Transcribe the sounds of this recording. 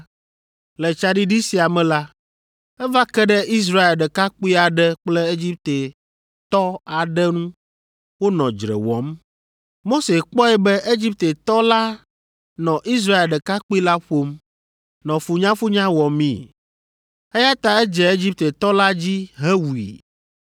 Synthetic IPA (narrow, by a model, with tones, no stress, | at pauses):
lɛ˨t͡ʃa˨ɖi˦ɖi˦si˨a˨mɛ̃˨la˦ | ɛ˦va˦kɛ˦ɖɛ˦ʔi˦s̬ɾa˦e˨lɖɛ˨ka˦k͡pi˦a˨ɖɛ˦k͡plɛ˦e˦d͡ʑi˦p̚t̪e˨ | t̪ɔ˦a˨ɖɛ˦nũ˦ | wo˦nɔ̃˨d͡ʒɾɛ̰˨wɔ̰˨˦m | mo˦se˨k͡pɔ˦ɛ˨bɛ˦ʔe˦d͡ʑi˦p̚t̪e˨t̪ɔ˦la˦ | nɔ̃˨ʔi˦s̬ɾa˦e˨lɖɛ˨ka˦k͡pu˦i˦la˦ɸo˦m | nɔ̃˨fu˨ɲã˦fu˦ɲã˦wɔ˨mĩ˦ | ɛ˦ja˦t̪a˨ɛ˦d͡ʒɛ˨e˦d͡ʑi˦p̚t̪e˨t̪ɔ˦la˦d͡ʑi˦ɦɛ˦wu˨ḭ˨